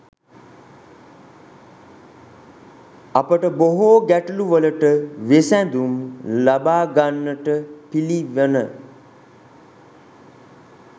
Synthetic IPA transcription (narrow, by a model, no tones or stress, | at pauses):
apəʈəboɦoɡæʈəluʋələʈəʋesænd̪umlabaːɡanːəʈəpiliʋənə